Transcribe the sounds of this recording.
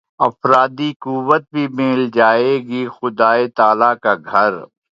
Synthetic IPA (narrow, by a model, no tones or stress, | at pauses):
ɐfɾaːd̪ikuʋət̪̚bʱimɪːld͡ʒaːeːɡixʊd̪aːet̪aːlakaɡʱɐɾ